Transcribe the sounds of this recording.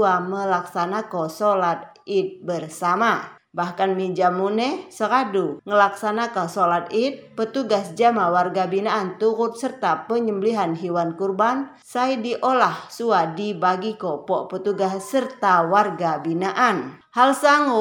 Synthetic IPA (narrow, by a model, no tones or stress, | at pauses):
aməlaksanakɔsolat̪̚ | it̪̚bərsama | bahkanmid͡ʒamunɛsəɾaduŋəlaksanakɔsolat̪̚it̪̚pət̪uɡasd͡ʒamawarɡabinaʔːnt̪uɾʊt̪̚sərt̪apəɲəmbəliɦanɦiwankurban | sajdiʔolahsuadibaɡikɔpɔʔpət̪uɡassərt̪awarɡabinaʔan | halsaŋu